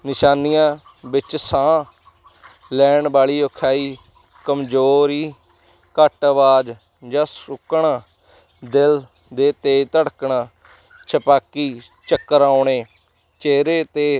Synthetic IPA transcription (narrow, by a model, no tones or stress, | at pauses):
nɪʃaːnijãː | bɪt͡ʃsãː | lɛːɳbaːɭiːokʰaːiː | kəmd͡ʒoːɾiː | kəʈəʋaːd͡ʒ | d͡ʒãːsʊkɳaː | d̪ɪl | d̪eːt̪eːt̪əɽkɳaː | t͡ʃʰəpaːkiː | t͡ʃəkːəɾaːʊɳeː | t͡ʃeːɾeːt̪eː